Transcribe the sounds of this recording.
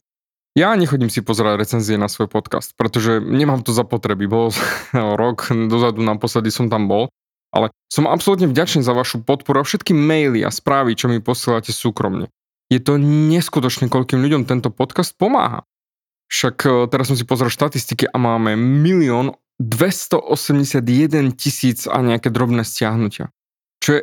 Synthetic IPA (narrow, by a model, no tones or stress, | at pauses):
jaɲɛxɔɟiːmsipɔzɛɾaɟɾɛt͡sɛnziɛnasʋɔjpɔt̪ka̰st̪̚pɾɛt̪ɔʒɛɲɛmaːmt̪ɔzapɔt̪ɾɛbibɔl | ɾɔkd̪ɔzad̪unapɔslɛd̪isɔmt̪ambɔl | ʔa̰lɛ | sɔmapsɔlut̪ɲɛvɟat͡ʃniːzaʋaʃupɔt̪̚pɔɾuafʃɛt̪kimɛjlia̰spɾaːʋit͡ʃɔmipɔsiɛlacɛsuːkɾɔ̰mɲɛ̰ | jɛt̪ɔɲɛskut̪ɔt͡ʃɲɛkɔʎkiːmʎuɟɔmt̪ɛnt̪ɔpɔt̪kast̪̚pɔma̰ːɦa̰ | fʃakt̪ɛɾasɔms̬ipɔzɾɛlʃt̪at̪ist̪ikiʔamaːmɛmiliɔːn | d̪ʋɛst̪ɔʔɔsɛmɟɛsad̪jɛd̪ɛncisiːt͡sa̰ɲɛakɛːd̪ɾɔbnɛːscɪaɦnucɪa̰ | t͡ʃɔjɛ